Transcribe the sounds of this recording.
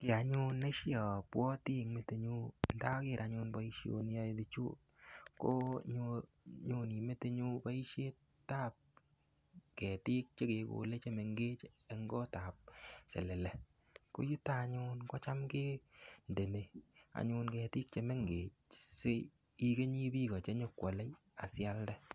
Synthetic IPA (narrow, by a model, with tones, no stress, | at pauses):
kɪ˨a˨ɲʊ˦ne˦ʃjɔ˨pwɔ˦ti˦ŋme˨te˨ɲu˦nta˦kɪ˦˨ɾʔa˨ɲʊ˧nbɔ˨˦i˦ʃjo̰˨n˦jɔ˦dɪ˨t͡ʃṵ˦ | ko˦ɲo˧ | ɲu˦ni˨me˦te˦ɲu˦pa˦i˦ʃe˦t | tːa˦˨p̚ | kɛ˨tɪ˦k̚t͡ʃe˦ke˨ko̰˨le˦t͡ʃe˦me˨ŋɡe˦t͡ʃːŋɡɔ˦ta˨p̚sḛ˨le˨lɛ˨ | ko̰˦ju˦ta˦˨ɲʊ˦nkɔ˦t͡ʃa˦mke˦nde˨ne˨a̰˨ɲʊ˧nkɛ˨tɪ˦k̚t͡ʃe˨˦me˦ŋɡe˨t͡ʃse˦ | i˦ke˦ɲi˦bi˦kɔ˨t͡ʃe˦ɲo˦kwɔ˨le˦j | a̰˨sja˦ldɛ˦